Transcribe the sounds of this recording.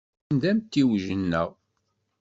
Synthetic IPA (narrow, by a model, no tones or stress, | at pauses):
nd̪æmt̪ːiwʒənːəʁ